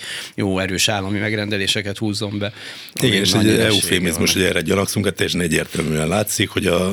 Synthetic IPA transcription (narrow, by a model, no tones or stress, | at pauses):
joːɛɾøːʃaːlːɒmimɛɡɾɛnd̪ɛleːʃɛkɛt̪huːzːo̞mbɛ | iɡɛneːʃɛɟɛufeːmizmuʃʃhoɛrɛɟɒlɒksuŋkɛt̪ːɛjːɛʃ̬ɛnɛɟːeːrt̪ɛlmyːɛnlaːt̪sikho̞ɟɒ